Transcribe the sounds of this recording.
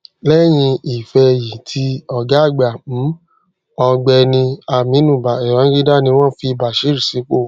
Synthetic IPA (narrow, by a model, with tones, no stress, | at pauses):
lɛ˦j̃ĩ˧i˨fɛ˧ji˨tʰi˧ɔ˨ɡa˦˨ɡ͡bã˨˦ | ɔ˧ɡ͡bɛ˧nĩ˧a˧mĩ˨˦nũ˦˨ba˨ɛ˨ɾã˨˦ɡi˦da˦˨nĩ˧w̃ɔ̃˦˨fi˧ba˨ʃi˨˦ɾi˨si˨˦k͡po˦˨